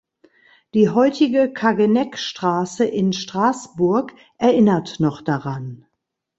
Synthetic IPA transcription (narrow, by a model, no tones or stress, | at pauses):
d̥iːɦɔʏtɪɡəkʰaɡənɛkʃtʁ̥aːsəʔɪnʃtʁ̥aːsb̥ʊɐk | ʔɛɐʔɪnɐtnɔχd̥aʁan